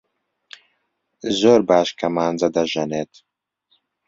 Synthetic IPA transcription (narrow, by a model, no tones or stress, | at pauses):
zoːɾbaːʃkɐmaːnd͡zɐd̪ɐʒɐneːt̪